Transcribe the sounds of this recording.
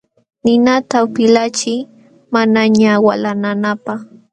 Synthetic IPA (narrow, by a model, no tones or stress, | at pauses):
nɪnat̪awpɪlat͡ʃɪj | manaɲawalananapaχ